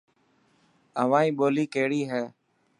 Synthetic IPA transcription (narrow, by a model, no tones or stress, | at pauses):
əʋãːĩːɓoːliːkeːɽiːɦɛː